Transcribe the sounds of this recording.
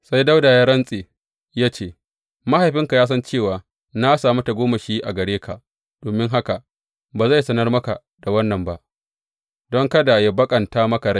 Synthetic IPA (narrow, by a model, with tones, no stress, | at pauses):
sa˦jda˦wda˨jaː˦ɽɐ˦nsʼeː˨ | jaː˦t͡ʃeː˦˨ | ma˦ha˨jɸɪ˦ŋka˨jaː˦s̬ɐ˦nt͡ʃeː˦˨waː˨ | na˦saː˨mu˦ta˨ɡʷoː˦ma˨ʃiː˦ʔa˨ɡɐ˨ɽeː˦kʰa˨ʔ | d̥oː˨mɪ˦ŋɦa˦ka˨ | baː˨za˦˨jsɐ˦nɐ˦rmɐ˦ka˨ | d̥a˨wɐ˦nːɐ˨mba˦ʔ | dɔ˦ŋkɐ˦da˨ja˦bɐ˦kʼɐ˨ntaː˦mɐ˦ka˨ɽa˦˨